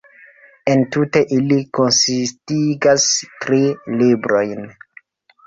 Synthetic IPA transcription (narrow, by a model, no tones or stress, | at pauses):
e̞ntute̞ʔilikonsistiɡastɾilibɾo̞jn